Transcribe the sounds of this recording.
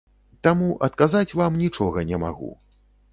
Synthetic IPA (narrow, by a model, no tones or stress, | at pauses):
t̪amuʔɐt̪kazat͡sʲvamnʲit͡ʂɔɣɐnʲɛma̰ɣṵ